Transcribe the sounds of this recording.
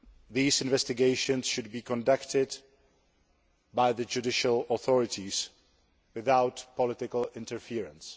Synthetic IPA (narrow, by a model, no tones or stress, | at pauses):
ðiːsɪ̃nvɛstɪɡeɪʃə̃nsʃʊd̚biːkʰɔ̃ndaktɪd | bajðəd͡ʒudɪʃəlˠɔθɔɹɪtʰis | wɪθawtpʰɔlɪtɪkəlɪ̃ntəɹfiːɹə̃ns